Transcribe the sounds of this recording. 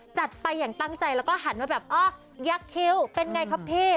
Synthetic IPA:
t͡ɕa˨˩t̪̚pa˧jːaː˨˩ŋt̪a˥˩ŋt͡ɕa˧jlɛː˦˥wkɔː˥˩ɦa˩˦nwaː˥˩bɛː˨˩p̚ʔɔː˦˥˩ | jaː˦˥kʰːe˦˥wpe˧nŋa˧jkʰa˦˥pʰeː˥˩

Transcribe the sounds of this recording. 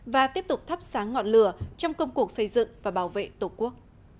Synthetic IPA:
vaː˨˩t̪i˦˥əp̚t̪ʊ˨˩k͡p̚t̪ʰə˦˥p̚saː˨˦ŋŋːɔ̰˧˨nlɨ˧˩ət͡ɕɔ˧wŋ͡mkə˧wŋ͡mku˨˩ək̚sə˧jzɨ̰˧˨ŋvaː˨˩ɓaː˧˩wvḛ˧˨t̪o˧˩ku˦˥ək̚

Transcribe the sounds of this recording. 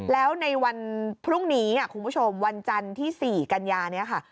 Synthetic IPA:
lɛː˦˥wna˧jwa˧npʰɾu˥˩ŋniː˦˥ni˥˩ku˧nbʰu˦˥t͡ɕʰo˧mwa˧nt͡ɕa˧nt̪ʰiː˥˩siː˨˩ka˧njaː˧ni˥ɐkʰa˥˩

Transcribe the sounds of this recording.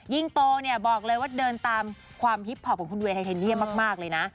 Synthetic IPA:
ji˥˩ŋt̪oː˧ni˥˩ɐbɔː˨˩k̚lɤː˧jwaː˥˩dɤː˧nt̪aː˧m | kʰwaː˧mpi˦˥t̪̚ʰːɔː˨˩kɔː˩˦ŋkʰu˧nweː˧tʰa˧t̪ʰːni˥˩əmaː˥˩k̚maː˥˩k̚lɤː˧jna˦˥ʔ

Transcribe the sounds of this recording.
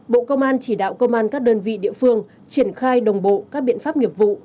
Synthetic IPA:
ɓo̰˧˨kə˧wŋ͡mʔaː˧nt͡ɕi˧˩ɗa̰ː˧˨wkə˧wŋ͡mʔaː˧nkaː˦˥k̚ɗəː˧nvḭ˧˨ɗḭ˧˨əfɨ˧əŋ | t͡ɕi˧˩ənxaː˧jɗə˨˩wŋ͡mɓo̰˧˨kaː˦˥k̚ɓḭ˧˨ənfaː˦˥p̚ŋi˨˩əp̚vṵ˧˨

